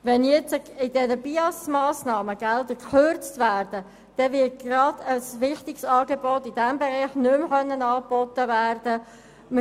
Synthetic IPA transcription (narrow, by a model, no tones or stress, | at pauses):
ʋɛnjɛt͡səɪdɛnəbiɑsmɑːsnɑːməɡ̥ɛldəkχøɾt͡stvæːrd̥ə | d̥ɛvɪt̚ɡrɑd̥̪əsʋɪχtɪksɑːɡebɔtɪd̥æmbeʁɛɪχnʏmχœnːənɑːb̥ɔtəvæːrd̥ə | mə